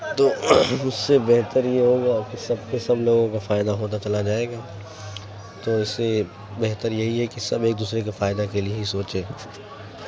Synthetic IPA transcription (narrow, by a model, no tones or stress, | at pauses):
t̪oːʊsːebɛɦt̪əɾjeɦoːɡakisɐb̚kesɐbloːɡõkafaːɪd̪aɦoːt̪̬at͡ʃɐlad͡ʒaːeːɡaː | t̪oːɪsːe | bɛɦt̪əɾjɐɦiɦɛkisɐbeːk̚d̪uːsɾekafaːɪd̪akelijeɦisoːt͡ʃeː